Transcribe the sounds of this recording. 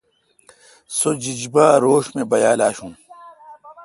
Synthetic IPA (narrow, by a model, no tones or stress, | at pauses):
sod͡ʑid͡ʑbaːɾoːʂmẽbɐjaːlaːɕũː